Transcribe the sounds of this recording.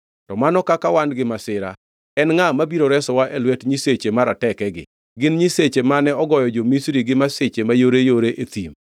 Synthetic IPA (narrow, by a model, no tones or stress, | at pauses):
tɔmanɔkakawanɡɪmasɪɾa̰ | ɛnŋamabiɾoɾɛsɔwaʔelwɛtɲiset͡ʃemaɾatɛkɛɡɪ̰ | ɡɪnɲiset͡ʃemanɛɔɡɔjɔd͡ʒomisɾiɡɪmaset͡ʃemajoɾejoɾeʔet̪ḭm